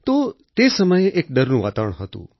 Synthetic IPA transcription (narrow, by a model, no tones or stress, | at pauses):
t̪ot̪esəməjeʔek̚ɖəɾnũʋa̰t̪aʋəɳ̃ɦət̪ṵ̃